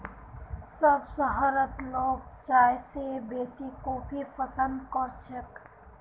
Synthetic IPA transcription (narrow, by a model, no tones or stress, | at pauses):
səbsəɦaːɾət̪loːɡ̚t͡ʃaːjsebeːsikobʱipʰəsənd̪kəɾt͡ʃʰək